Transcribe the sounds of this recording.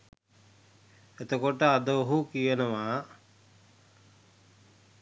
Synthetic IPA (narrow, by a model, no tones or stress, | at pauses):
et̪okoʈəad̪əoɦukijenəʋaː